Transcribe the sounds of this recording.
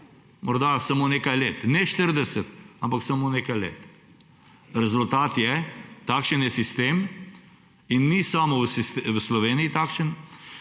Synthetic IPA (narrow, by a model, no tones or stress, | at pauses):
mɔɾd̪asamoneːkajleːt̪nɛʃt̪əɾd̪ɛsət̪ampaksamoneːkajlḛːt̪ | ɾɛzult̪aːt̪jɛt̪aːkʃənjɛsist̪eːm | inːisaːmɔwsist̪ʋəslɔʋeːniit̪akʃən